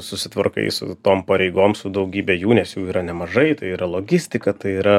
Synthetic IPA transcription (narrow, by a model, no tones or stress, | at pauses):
sʊsʲɪt̪ʋɐ̰rkɐ̰ɪsʊ̰t̪oːmpɐɾʲɛɪɡoːmsʊd̪ɐʊɡʲiːbʲɛjuːnʲɛsjuːiːɾɐnʲɛmɐʒɐɪt̪ɐɪiːɾɐlˠoːɡʲɪsʲt̪ʲɪkɐt̪ɐɪiːɾɐ